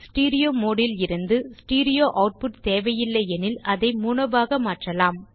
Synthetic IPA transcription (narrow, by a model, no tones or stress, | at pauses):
sʈiːɾɪjoːmoːɽɪlɪɾɯnd̪ɯsʈiːɾɪjoːʔɐʊʈ̚pʊʈ̚t̪eːʋɐjɪlːɐɛnɪlɐðɐɪmuːɳɐʋaːɣɐmaːʈrɐlaːm